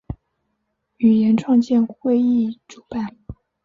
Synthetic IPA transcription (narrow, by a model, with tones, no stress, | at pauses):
y˨˩jɛ˧˥nʈ͡ʂʰwɑ˥˧ŋt͡ɕjɛ˥˧nxwe˥˧ɪi˥˩ʈ͡ʂu˨˩pa˥˩n